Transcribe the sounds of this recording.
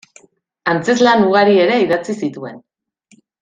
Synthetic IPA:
ant͡se̞zlanuɣaɾie̞ɾe̞iðat͡sisit̪ue̞n

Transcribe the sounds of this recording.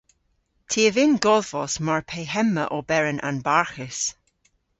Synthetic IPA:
tʰiːəvɪnɡɔðvɔsmaɹpʰeːɦɛmːəʔɔbɛɹənʔa̰nbaɹxɪs

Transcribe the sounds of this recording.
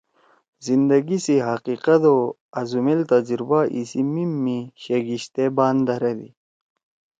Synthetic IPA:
zind̪ɐɡisiɦɐqiqɐd̪o | ɐzumilt̪ɐd͡ʑɾbaʔisimimːiɕeɡiɕt̪ebaːnd̪ɐɾed̪ḭ

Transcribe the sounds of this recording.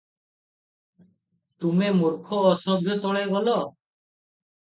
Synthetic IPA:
t̪umemuɾkʰɔːsɔbʱjɔt̪ɔɭeɡɔlɔ

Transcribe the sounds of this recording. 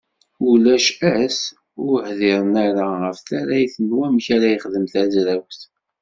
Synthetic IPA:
ulæʃæs | ʊɾhðɪɾˤənaɾaʁəfθaɾæjθənwæmçaɾæjəχðəmθæzɾæwθ

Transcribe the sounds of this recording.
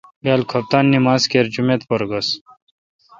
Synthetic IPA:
ɡaːlkʰɐp̚t̪aːnːimaːzkeːɾd͡ʑumet̪pɐɾɡɐs

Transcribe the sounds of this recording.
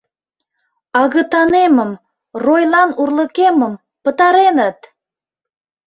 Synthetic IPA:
ɑɣət̪ɑneməm | rojlɑnurləkeməm | pət̪ɑɾenət̪̚

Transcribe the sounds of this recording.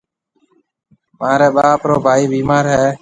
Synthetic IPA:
mãːɾɛːɓaːpɾoːbʱaːiːbiːmaːɾɦɛː

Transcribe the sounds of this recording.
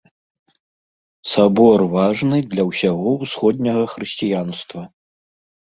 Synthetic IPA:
sabɔrvaʐnɨd̪lʲɐwsʲaɣɔwsxɔd̪ʲnʲɐɣɐxɾɨsʲt͡sʲijanst̪vɐ

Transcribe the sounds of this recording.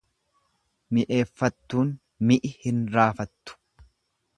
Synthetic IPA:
mɪʔe̞ːfːɐt̪ːuːn | mɪʔɪhɪnɾaːfɐt̪ːʊ̥

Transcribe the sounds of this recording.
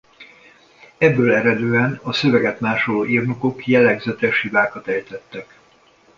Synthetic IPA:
ɛbːøːlɛɾɛd̪øːɛnɒsøvɛɡɛt̪maːʃolːiːrnuko̞kjɛlɛɡzɛt̪ɛʃhibaːkɒt̪ɛjt̪ɛt̪ːɛk

